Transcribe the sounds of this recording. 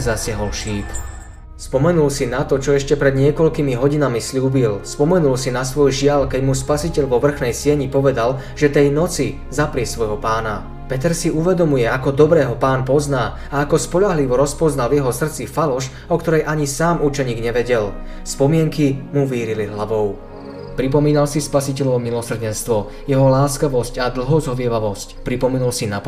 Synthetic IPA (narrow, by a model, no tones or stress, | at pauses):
zasɪaɦɔlʃiːp | spɔmɛnulsinat̪ɔt͡ʃɔɛʃcɛpɾɛd̪ɲɪɛkɔʎkimiɦɔɟinamisʎuːbilspɔmɛnulsinasʋɔjʒɪalkɛɟmuspasicɛʎʋɔʋr̩xnɛjsɪɛɲipɔʋɛd̪al | ʒɛt̪ɛjnɔt͡si | zapɾɪɛsʋɔjɦɔpaːna | pɛt̪ɛɾsiuʋɛd̪ɔmujɛakɔd̪ɔbɾɛːɦɔpaːnpɔznaː | aːkɔspɔʎaɦliʋɔɾɔspɔznalʋjɛɦɔsr̩t͡sifalɔʃ | ɔkt̪ɔɾɛjʔaɲisaːmut͡ʃɛɲiːɡɲɛʋɛɟɛl | spɔmɪɛŋkimuʋiːɾiliɦlaʋɔʊ | pɾip̬ɔmiːnalsispasic̬ɛʎɔʊmilɔsr̩ɟɛnst̪ʋɔ | jɛɦɔlaːskaʋɔscad̪l̩ɦɔzɦɔʋɪɛʋaʋɔscpɾipɔmɛnulsinap